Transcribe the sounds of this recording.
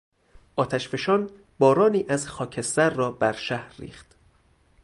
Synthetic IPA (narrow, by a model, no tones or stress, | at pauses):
ʔɒːt̪ʰæʃfe̞ʃɒːn | bɒːɾɒːniːʔæzxɒːcʰe̞st̪æɾːɒːbæɾʃæhɾːḭːχt̪